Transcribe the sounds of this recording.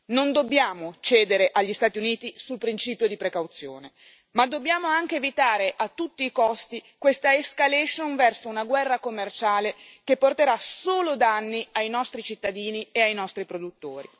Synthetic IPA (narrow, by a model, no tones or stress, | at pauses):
nond̪obːjaːmot͡ʃɛːd̪eɾeʔaʎːist̪aːt̪iuniːt̪isulpɾint͡ʃiːpjod̪ipɾekawt̪sjo̰ːne | mad̪ːobːjaːmoaŋk̟eːvit̪aːɾeʔat̪ːut̪ːiːkɔst̪ikwest̪aeskalɛʃonvɛrsounaɡwɛrːakomːert͡ʃaːlekepːort̪eɾasoːlod̪anːiajnɔst̪ɾit͡ʃit̪ːad̪iːnieajnɔst̪ɾipɾod̪ut̪ːoːɾḭ